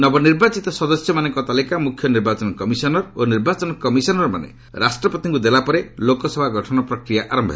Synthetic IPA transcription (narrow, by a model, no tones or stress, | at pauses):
nɔbɔniɾbat͡ʃit̪ɔsɔd̪ɔsjɔmanɔŋkɔt̪alikamukʰjɔniɾbat͡ʃɔnɔkɔmisɔnɔɾoniɾbat͡ʃɔnɔkɔmisɔnɔɾma̰nḛ | ɾasʈɾɔpɔt̪iŋkud̪elapɔɾelokɔsɔbʱaɡʱɔʈʰɔnɔpɾɔkɾijaʔaɾɔmbʱɔ̰ɦe